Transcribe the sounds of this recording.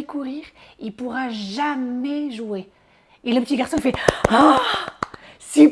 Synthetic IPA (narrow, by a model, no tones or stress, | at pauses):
ekuʁiːʁilpuʁaʒamɛʒue | eləpət̪iɡaʁsɔ̃fɛa | si